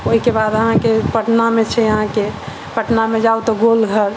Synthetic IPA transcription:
oɦikebaːd̪əɦãkepəʈnamẽt͡ʃʰɛjəɦãke | pəʈnamẽd͡ʒaut̪ɔɡolɡʱəɾ

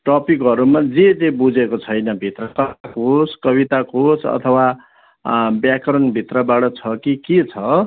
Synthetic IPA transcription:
ʈʌpikɦʌɾumad͡zed͡zebud͡zekot͡sʰʌjnʌbʱit̪rʌkʌakoskʌβit̪akosʰʌ̰t̪ʰʌwa | bjakʌɾʌnbʱit̪rʌbaʈʌt͡sʰʌkiket͡sʰʌ

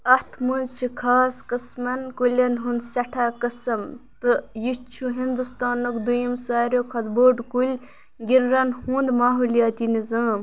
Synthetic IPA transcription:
ɐt̪ʰmunzt͡ʃʰikʰaːskɐsmɐnkulʲɐnɦund̪sɐʈʰaːkɐsɐmt̪ɨjit͡ʃʰuɦind̪ust̪aːnokd̪ujimsaːɾʲjoːkʰɐt̪boːɖkulʲ | ɡiɾɾɐnhũːnd̪maːɦulijaːt̪inizaːm

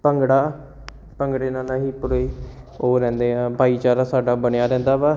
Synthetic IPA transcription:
pəŋɡɽaː | pəŋɡɽeːnaːnaːɦiːpʊɾiːoːɾɛ̃ːnd̪eːɦãːbʱaːiːt͡ʃaːɾaːsaːɖaːbənɪjaːɾɛ̃ːnd̪aːbɛː

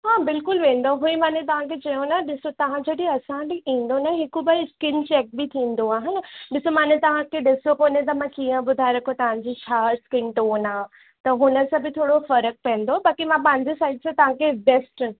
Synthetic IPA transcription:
ɦaːbɪlkʊlʋẽːn̆d̪oɦuĩmaːnẽt̪ɐʋ̤ãkʰet͡ɕɐjõnaɗɪsot̪ɐʋ̤ãd͡ʑɐɗiɐsãbɪʔĩːn̆d̪onaɦɪkʊbɐskɪnt͡ɕɛːk̚bɪt̪ʰĩːn̆d̪oaːɦɪnɗɪsomaːnet̪ɐʋ̤ãkʰeɗɪsokoːnet̪̬ɐmãkiːə̃ɓʊd̪ʱaːɪɾɐkʰot̪ɐʋ̤ãɲd͡ʑit͡ɕʰaːskɪnʈoːnãː | t̪ɐɦʊnəsãbɪt̪ʰoːɽofɐɾək̚pɛ̃ə̃nd̪obaːkimãpãɲd͡ʑisaːɪɖsãt̪ɐʋ̤ãkʰebɛːsʈ

